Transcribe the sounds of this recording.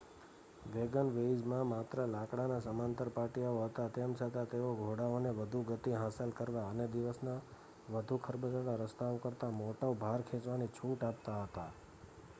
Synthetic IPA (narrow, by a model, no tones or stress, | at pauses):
ʋeɡənʋeid͡ʒmãmat̪ɾəlãkɽanasəmãnt̪əɾpaʈijaoɦət̪at̪ɛmt͡ʃʰət̪at̪eʋoɡʱoɽaoneʋəd̪ʱuɡət̪iɦasəlkəɾʋaəned̪iʋəsna | ʋəd̪ʱukʰəɾbəd͡ʒəɽaɾəst̪aokəɾt̪amoʈaobʱaɾkʰẽt͡ʃʋanit͡ʃʰuʈap̚t̪aɦət̪a